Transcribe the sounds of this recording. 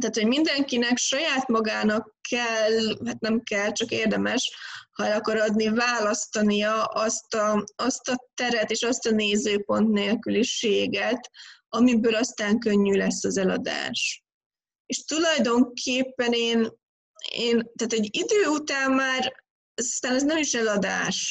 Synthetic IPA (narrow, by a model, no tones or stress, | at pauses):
t̪aːt̪ho̞ɟmind̪ɛŋkinɛkʃɒjaːt̪mɒɡaːnɒkːɛlɦat̪nɛmkɛlt͡ʃɒkeːrd̪ɛmɛʃhɒɛlɒkɒɾɒd̪nivaːlɒst̪ɒnijɒʔɒst̪ɒɒst̪ɒt̪ɛɾɛt̪eːʃɒst̪ɒneːzøːpo̞nt̪neːlkyliʃeːɡɛt̪ɒmibøːlɒst̪aːŋkø̞ɲːylɛsːɒzɛlɒ̰d̪a̰ːʃ | eːʃt̪ulɒjd̪o̞ŋkʰeːpːɛneːn | eːnt̪aːt̪ɛɟid̪øːut̪aːmːaːr | ɛzɒst̪aːnɛznɛmiʃɛlɒd̪a̰ːʃ